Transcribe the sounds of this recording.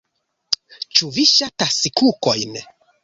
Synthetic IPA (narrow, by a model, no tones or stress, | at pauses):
t͡ʃuviʃatasikukojn